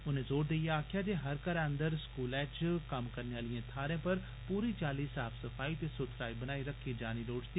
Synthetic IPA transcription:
ʊnẽːzoːɾd̪ejaːkʰjaːd̪eːɦəɾkəɾə̃nd̪əɾskuːlɛːt͡ʃkəmkəɾneaːlɪjẽːt̪ʰaːɾẽːpəɾ | puːɾit͡ʃaːliːsaːpʰsəfʰaːit̪eːsʊt̪ʰɾaːibənaːiɾəkʰːid͡ʒaːniloːʈd̪iː

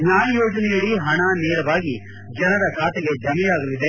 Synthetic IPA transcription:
naːjɐjoːd͡ʒɐnɛjɐɽiɦɐɳaneːɾɐʋaːɡi | d͡ʒɐnɐɾɐkʰaːt̪eɡe̞d͡ʒɐmijaːɡɐlid̪e

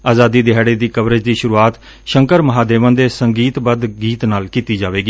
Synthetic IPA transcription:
aːzaːd̪iːd̪ɪɦɛːɽeːd̪iːkəbɾəd͡ʒd̪iːʃʊɾuːaːt̪ | ʃəŋkəɾməɦaːd̪eːʋə̃nd̪eːsəŋɡiːt̪bəd̪ɡiːt̪naːlkiːt̪iːd͡ʒaːʋeːɡiː

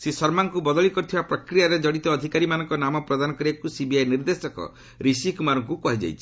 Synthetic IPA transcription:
sesɔɾmaŋkubɔd̪ɔɭikɔɾut̪ʰibapɾɔkɾijaɾed͡ʒɔɽit̪ɔːd̪ʱikaɾimanɔŋkɔnamɔpɾɔd̪anɔkɔɾiakusibiajniɾd̪esɔkɔ̰ | ɾisikumaɾɔŋkukɔɦid͡ʒa̰jt͡ʃʰi̥

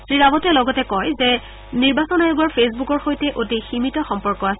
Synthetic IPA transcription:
sɹiɹabɔtɛlɔɡɔtɛkɔjzɛ | niɹbasɔnajʊɡɔɹpʰesbukɔɹxojtɛʔotiximitɔxɔmpɔɹkɔasɛ

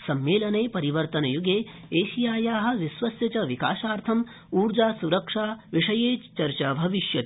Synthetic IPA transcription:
sɐmːeːlɐneːpɐɾiʋɐɾt̪ɐnɐjuɡeːeːʃijaːjaːɦɐ̆ʋisʋɐsjɐt͡ʃɐʋika̰ːʃaːɾt̪ʰɐm | uːɾd͡ʒaːsuɾɐkʂaːʋiʂɐjeːt͡ʃɐɾt͡ʃaːbʱɐʋiʃjɐt̪

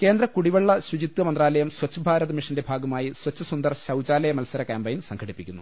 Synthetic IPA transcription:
ke̞ːnd̪ɾɐkuɽiʋɐɭːɐɕud͡ʑit̪wɐmɐnd̪raːlɐjɐmswɐt͡ɕːɐbʱaːɾɐðɐmiʂɐnde̞bʱaːɡɐmaːjiswɐt͡ɕːɐsund̪ɐrɕɐwd͡ʑaːlɐjɐmɐlsɐɾɐkeːmbɐjimsɐŋɡʰʱɐɽipːikʲːunːu

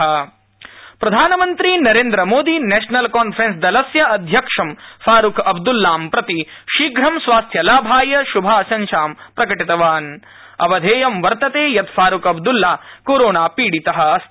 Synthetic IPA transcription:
ɐ | pɾɐd̪ʱaːnɐmɐnt̪ɾinɐɾeːnd̪ɾɐmoːd̪inɛːʂnɐlkaːnfʰɾensd̪ɐlɐsjɐɐd̪ʱjɐkʂɐmfaːɾukɐbd̪ulːaːmpɾɐt̪i | ʃiːɡɾɐmsʋaːst̪ʰjɐlaːbʱaːjɐʃubʱaːɐʃɐnʃaːmpɾɐkɐʈit̪ɐʋaːn | ɐ̰ʋɐd̪ʱeːjɐmʋɐɾt̪ɐt̪eːjɐt̪fʰaːɾukɐbd̪ulːaːkoːɾoːnaːpiːɽit̪ɐɦɐ̆ɐst̪

